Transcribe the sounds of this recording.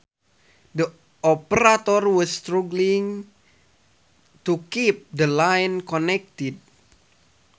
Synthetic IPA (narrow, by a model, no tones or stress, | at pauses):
də | ɔpəɾat̪ɔrwɔst̪ɾuɡliŋ | t̪ukip̚d̪əlajnkɔnɛk̚t̪id̚